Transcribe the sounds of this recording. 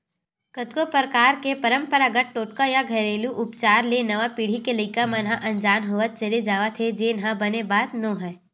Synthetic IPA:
kət̪kopɾkaːɾkepɐɾə̃mpəɾaɡəʈ̚ʈoːʈkajaɡʱɐɾeːluʔʊpt͡ʃaːɾlenɐʋapiːɽ̤ikeləkamãnɦãʔɐ̃nd͡ʒaːnɦoʋət̪̚t͡ʃɐled͡ʒaːʋat̪ʰed͡ʒeːnɦãbɐnebaːt̪nõːɦɛː

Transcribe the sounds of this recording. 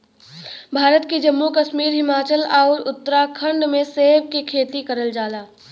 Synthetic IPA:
bʱaːɾət̪kid͡ʒɐmːukəʃmiːɾɦɪmaːt͡ʃəlaːɾʊt̪ːəɾakʰə̃ɳɖmẽseːbkekʰeːt̪ikɐɾəld͡ʒaːlaː

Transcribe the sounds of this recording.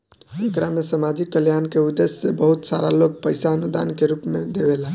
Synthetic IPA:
əŋkɾamesəmad͡ʒikːəljankeud̪esːebəɦut̪sa̰ɾaloɡ̚pəɪsaənud̪a̰nkeɾupmed̪ebelaɦ

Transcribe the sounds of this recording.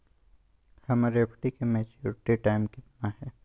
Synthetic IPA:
hɐmɾepʰʈikemɛt͡ʃjuɾɪʈiʈaːɪmkɪt̪naɦɛː

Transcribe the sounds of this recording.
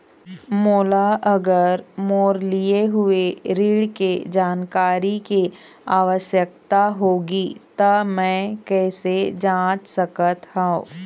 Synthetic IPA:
moːlaʔɐɡəɾmoːɾlijeɦʊeɾiːɽked͡ʒaːnkaːɾike | aːʋəʃjəkt̪aɦoːɡit̪ɐmɛ̃ːkɛːsed͡ʒãːt͡ʃsɐkət̪hãõː

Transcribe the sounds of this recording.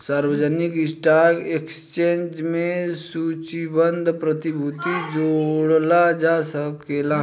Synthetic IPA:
saːɾwəd͡ʒənikɪsʈaɾɡekst͡ʃẽːnd͡ʒmẽssut͡ʃibənd̪ʱpɾət̪ibʱut̪id͡ʒoɽlad͡ʒasəkela

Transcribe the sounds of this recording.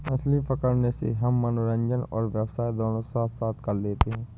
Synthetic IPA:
mɐslipəkəɾnesḛɦɐmːɐnoɾə̃ɲd͡ʒənɔ̰ːɾʋjəwsaːid̪ɔːnosaːt̪saːt̪ʰkɐɾleːt̪eɦɛ̃ː

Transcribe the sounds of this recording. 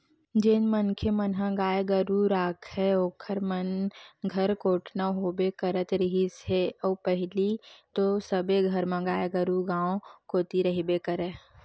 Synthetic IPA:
d͡ʒɪnmənkʰemənɦãɡaːeɡəɾuɾaːkʰhɛoːkʰəɾmənɡʱəɾkoːʈʰnaɦoːbekəɾət̪ɾɪɦisɦeɔːpəɦɪlit̪osəbeɡʱɐɾmãɡaːjeɡəɾuɡãːõkoːt̪iɾɐɦibekəɾeː

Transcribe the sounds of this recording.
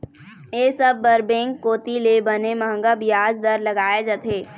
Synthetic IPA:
jeːsɐbːɐɾbẽːŋkːoːt̪ilebɐnemɐɦə̃ŋɡabijaːd͡ʒd̪ɐɾlɐɡaːed͡ʒɐt̪ʰeː

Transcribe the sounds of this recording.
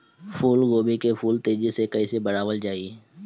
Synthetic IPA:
fʰuːlɡoːbikefuːlt̪eːd͡ʒisekɐisebɐɽaːʋəld͡ʒaːi

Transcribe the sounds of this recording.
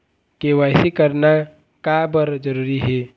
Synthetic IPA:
kewaːɪsikəɾna | kabəɾd͡ʒəɾuːɾiɦeː

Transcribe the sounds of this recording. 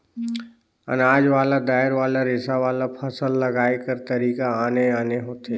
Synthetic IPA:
ɐ̰naːd͡ʒʋaːlad̪aːɪɾʋaːlaɾeːsaʋaːlapʰəsəlːɐɡaːjkəɾt̪ɐɾiːkaaːneaːneɦoːt̪ʰeː

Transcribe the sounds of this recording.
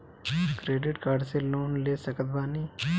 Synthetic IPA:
kɾeːɖɪʈkaːɾɖseloːnleːsəkət̪baːniː

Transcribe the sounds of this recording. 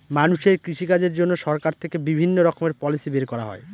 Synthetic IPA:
manuʃeɾkɾiʃikad͡ʑeɾd͡ʑonːoʃɔɾkaɾt̪ʰekebibʱinːoɾɔkomeɾpɔlisibeɾkɔɾa̰ɦɔ̰e

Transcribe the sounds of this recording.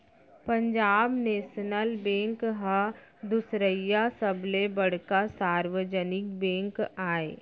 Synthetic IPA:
pə̃ɲd͡ʒaːbneːʃnəlbẽːŋkɦə | d̪ʊsɾəjːasəblebɐɽ̤kasaːɾwəd͡ʒənɪk̚bẽːŋkaːe

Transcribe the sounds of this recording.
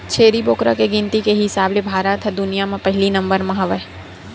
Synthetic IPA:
t͡ʃʰeːɾiboːkɾakeɡɪ̃nt̪ikeɦɪsaːblebʱaːɾət̪ʰd̪ʊnijamãpɐɦɪlinɐ̃mbəɾmɐɦaʋəɦ

